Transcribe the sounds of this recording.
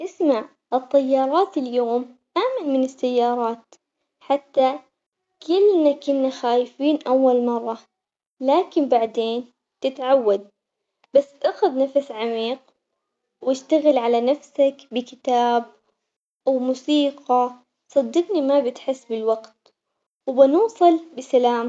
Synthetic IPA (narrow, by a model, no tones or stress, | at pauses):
ʔɪsmaʕ | ʔɨt̪ˤːɑjːɑːɾˤɑːt̪ɪljoːmʔaːmanmɪnɪsːajːɑːɾˤɑːt̪ | ħat̪ːa | kʰɪlːnakʊnːaxaːjfiːnʔawːalmɑrˤːɑ | laːkɪmbaʕd̪eːn | t̪ɪt̪ʕawːad̪̚ | basːʔaxʊd̪nafsʕamiːq̚ | wɪʃt̪aɣɪlʕalanafsakbɪkɪt̪aːb̚ | wmusiːqɑ | sˤɑd̪ːɨqnimabɪt̪ħɪsːbɪlwaɡt̪ | wbɪnuːsˤɨlbɪsalaːm